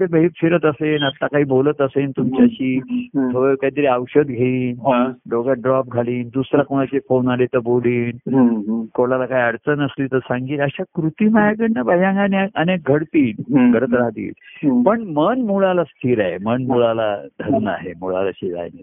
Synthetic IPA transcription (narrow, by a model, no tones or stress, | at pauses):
ebəɦiːk̪fʰiɾət̪əsenət̪ːakaɦiːbolət̪əsent̪umt͡ɕjaɕiːt̪ʰoekaɦit̪əɾiawɕəd̪ɡʱeiːnloɡaɖɾɔp̚ɡʱaliːnd̪usɾakoɽ̃at͡ɕefonalet̪əboliːn | koɭalakaiəɽt͡sənəsliːt̪əɾsãŋɡiːt̪əɕakɾut̪iːmajaɡəɽnabʱajãŋɡaneaəneɡʱəɽt̪iːnɡʱəɾət̪ɾaɦd̪ḭːt̪pəɳmənmuɭalast̪ʰiɾaɦemənmuɭala̰d̪ʱəɾnəa̰ɦemuɭa̰la̰ɕid͡za̰jne